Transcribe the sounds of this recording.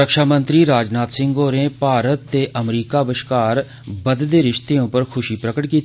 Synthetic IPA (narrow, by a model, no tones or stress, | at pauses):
əkʃaːmə̃nt̪ɾiːɾaːd͡ʒnaːt̪sɪ̃ŋɡoːɾẽːpaːɾət̪ːeːʔəmɾiːkaːbəʃkaːɾ | bəd̪d̪eːɾɪʃt̪eːõːpəɾkʰʊʃiːpɾəkəʈkiːt̪